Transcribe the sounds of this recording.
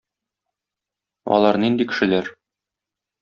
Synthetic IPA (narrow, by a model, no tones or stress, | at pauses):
ɒ̰lˠɑɾnind̪ikɘ̥̆ʃɘ̆læɾ